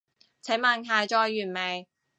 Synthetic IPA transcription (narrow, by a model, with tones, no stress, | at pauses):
t͡sʰe˨˥ŋmaː˨˧nɦaː˨˧jt͡ʃɔː˧jːyː˨˩nme˨˩j